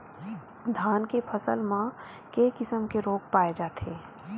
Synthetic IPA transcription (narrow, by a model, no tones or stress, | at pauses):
d̪ʱaːnkepʰəsəlmã | kekɪsəmkeɾoːk̚paːed͡ʒaːt̪eː